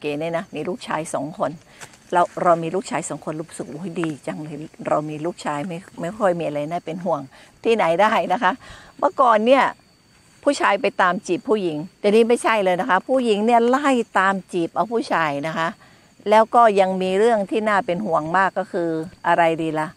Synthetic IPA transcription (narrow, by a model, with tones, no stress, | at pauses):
o˧keː˧˩niː˥˩˨na˦˥miː˧luː˥˩k̚t͡ɕʰaː˧jsɔ̰ː˩˦ŋkʰo˧n | ɾa˧wɾa˧wmiː˧lu˥˩k̚t͡ɕʰaː˧jsɔː˩˦ŋkʰo˧nɾuː˦˥p̚sɯ˨˩k̚ʔoː˦˩˦jdiː˧t͡ɕa˧ŋlɤː˧˩jɾa˧wmiː˧luː˥˩k̚t͡ɕʰaː˧jma˥˩jma˥˩jkʰɔ˥˩jmiː˧ʔa˧ɾa˧jnaː˥˩pe˧nɦu˨˩əŋ | t̪ʰiː˥˩na˩˦jdaː˥˩jna˦˥kʰa˦˥ʔbaː˧˥˦kɔː˨˩nːi˥˩ɐ | pʰuː˥˩t͡ɕʰaː˧jpa˧jt̪aː˧mt͡ɕi˨˩pʰːuː˥˩ji˩˦ŋt̪ɛː˨˩niː˦˥˩ma˥˩jt͡ɕʰa˥˩jlɤː˧jna˦˥kʰa˦˥pʰuː˥˩ji˨˩˦ŋni˥˩la˥˩jt̪aː˧mt͡ɕiː˨˩p̚ʔa˧wpʰuː˥˩t͡ɕʰaː˧jna˦˥kʰa˦˥ʔ | lɛː˦˥wkɔː˥˩ja˧ŋmiː˧ɾɯ˥˩əŋt̪ʰiː˥˩naː˥˩pe˧nhu˨˩əŋmaː˥˩kːɔː˥˩kʰɯː˧ʔa˧ɾa˧jdiː˧la˧˩